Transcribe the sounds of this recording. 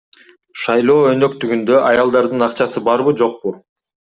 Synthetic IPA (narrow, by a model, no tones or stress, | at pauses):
ʃɑjlˠo̞ːø̞nø̞kt̪yɡynd̪øʔɑjɑlˠd̪ɑɾd̪ɯnɑqt͡ʃɑsɯbɑɾβɯd͡ʒo̞q̚pu